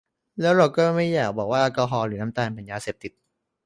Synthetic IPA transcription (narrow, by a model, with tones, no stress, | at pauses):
lɛː˦˥wɾa˧wkɔɤː˥˩ma˥˩jːaː˨˩k̚bɔː˨˩k̚waː˥˩ʔa˧kɔː˧ɦɔː˧ɾɯː˩˦na˦˥mt̪aː˧npʰa˨˩˦jaː˧seː˨˩p̚t̪i˨˩t̪̚